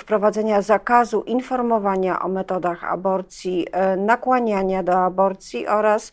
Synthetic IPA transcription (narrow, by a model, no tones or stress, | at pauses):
fpɾɔvad̪ɛɲazakazuʔinfɔɾmɔvaɲaʔɔ̰mɛt̪ɔd̪axa̰bɔɾt̪sʲjinakwaɲaɲad̪ɔabɔɾt̪sʲjiʔɔɾas